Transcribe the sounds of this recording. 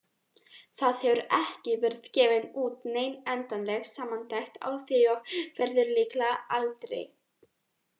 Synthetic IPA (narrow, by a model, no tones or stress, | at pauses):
θaðhɛvʏɾɛhcɪvɛɾðcɛːvɪnuːt̪neːjnɛnt̪anlɛxsaːmːant̪ajxt̪a̰wθɪɔɣvɛɾðɪɾliːklaalt̪ɾḛj